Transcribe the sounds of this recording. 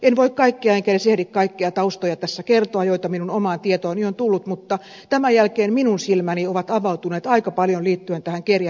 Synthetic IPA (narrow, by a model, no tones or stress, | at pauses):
enʋoikkɑikːiɑeŋkænesehdikkɑikːiɑt̪ɑust̪ojɑt̪æsːækert̪oɑjjoit̪ɑminunomɑːnt̪iet̪oːniont̪ulːut̪mut̪ːɑ | t̪æmæjælkeːmminunsilmænioʋɑt̪ɑʋɑut̪uneːt̪ɑikɑpɑljonliːt̪ːyent̪æhæŋkerjɑ